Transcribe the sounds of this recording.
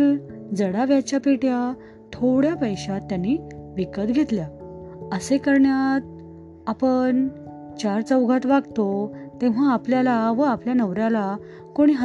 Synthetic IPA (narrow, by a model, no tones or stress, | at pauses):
d͡zəɽaʋjat͡ɕapiʈja | t̪ʰoɽjapəjɕat̪ːjanːiʋikət̪ɡʱet̪ljaəsekəɾɳjat̪̚ | apəɳ | t͡ɕaɾt͡səwɡʱat̪ʋaɡt̪ot̪ẽʋ̤aːpljalaʋəapljanəʋɾjala | koɽ̃iɦ